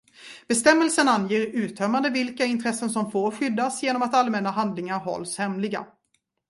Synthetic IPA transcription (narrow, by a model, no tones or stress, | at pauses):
b̥ɛst̪ɛmːəlsənanjeːɾʉ̟ːt̪ʰœmand̪əvɪlkaɪnt̪ʰɾɛsːənsɔmfoːɾɧʏd̪ːasjeːnɔmat̪almɛnaɦand̪lɪŋaɾɦɔ̰lːshɛmlɪɡa̰